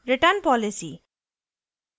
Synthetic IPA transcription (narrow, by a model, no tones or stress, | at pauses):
ɾeʈanpɔlisi